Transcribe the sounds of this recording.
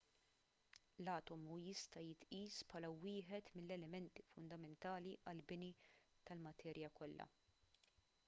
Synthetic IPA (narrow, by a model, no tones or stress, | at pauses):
lɐːt̪ɔmujɪst̪ɐjɪt̪ʔiːspʰħɐːlɐwɪːħɛt̪mɪlːɛlɛmɛnt̪i̥fʊnd̪ɐmɛnt̪ɐːliʔɐlbɪnit̪ɐlmɐt̪ʰɛːɾjɐkɔlːɐ̰